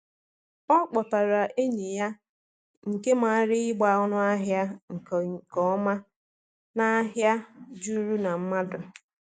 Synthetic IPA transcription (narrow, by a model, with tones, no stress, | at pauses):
ɔ˦k͡pɔ˨ta˨ɾa˨ʔe˦ɲe˨ja˦ | ŋ̩˨ke˦ma˨a˦ɾɪ˦ɪ˦ɡ͡ba˨ʊ˦nʊ˦a˦ɦja˦ŋ̩˨kɔ˦ɔ˦ma˦ | na˦ɦja˦d͡ʒu˦ɾu˦na˨m̩˦ma˦dʊ˨